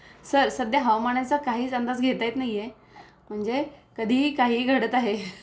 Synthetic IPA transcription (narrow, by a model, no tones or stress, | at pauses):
səɾsəd̪jəɦawmaɳjat͡səkaɦiːt͡sənd̪at͡sɡʱet̪ajt̪naɦije | m̤əɳd͡zekəd̪ʱiːkaɦiːɡʱəɽət̪aɦe